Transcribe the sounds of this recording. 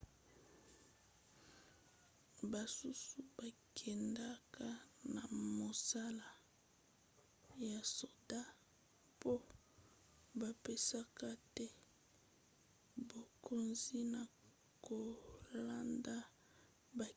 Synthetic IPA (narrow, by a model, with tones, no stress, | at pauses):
ba˨su˦su˨ba˨kʰɛ˨nda˦ka˦na˨mo˨sa˦la˨ | ja˨so˨da˦ | po˦ | ba˨pe˦sa˦ka˦tɛ˦ | bo˨kʰo˦nzi˦na˨ | ko˨la˦nda˦ | ba˨